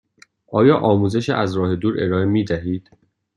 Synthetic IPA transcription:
ʔɒːjɒːʔɒːmuːze̞ʃiʔæzɾɒːhe̞d̪uːɾʔe̞ɾɒːe̞miːd̪æɦiːd̪̥

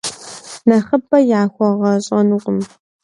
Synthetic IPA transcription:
nɐχəbɐjaːxʷɔʁɐɕʼɐnuqʷʼʊm

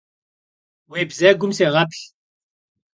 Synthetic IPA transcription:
weːbzæːɡʷʊmseːʁɐpɬ

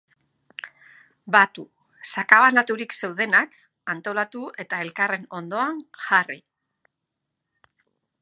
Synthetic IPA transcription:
bat̪u | sakaβanat̪uɾikse̞wð̞e̞nak | ant̪o̞lat̪ue̞t̪ae̞lkare̞no̞nd̪o̞aŋʝari

